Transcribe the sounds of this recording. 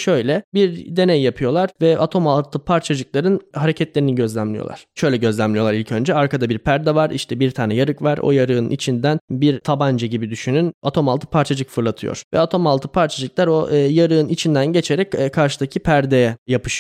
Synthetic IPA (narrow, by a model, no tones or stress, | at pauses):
ʃøjlʲɛbiɾd̪e̞nejjapʰɯjo̞lˠaɾvɛat̪ʰo̞malˠt̪ʰɯpʰaɾt͡ʃʰad͡ʒɯklˠaɾɯnhaɾe̞cʰɛt̪lʲeɾiniɟø̞zlʲæmlʲijo̰lˠa̰ɾ̥ʃø̞jlʲɛɟø̞zlʲæmlʲijo̞lˠaɾilʲcʰø̞nd͡ʒɛaɾkad̪abiɾpʰæɾd̪ɛvaɾiʃt̪ʰɛbiɾt̪ʰaːnɛjaɾɯkvaɾo̞̰jaɾɯɯnnʔḭt͡ʃʰind̪ænbiɾt̪ʰaband͡ʒaɟibid̪yʃynynat̪ʰo̞malˠt̪ʰɯ̥pʰaɾt͡ʃʰad͡ʒɯkfɯɾlˠat̪ʰɯjo̰ɾ̥vɛ̰at̪ʰo̞malˠt̪ʰɯpʰaɾt͡ʃʰad͡ʒɯklˠaɾo̞ʔjaɾɯːnit͡ʃʰind̪ænɟe̞t͡ʃʰe̞ɾɛcːkʰːaɾʃɯd̪acʰipʰæɾd̪ejɛjapʰɯ̥ʃ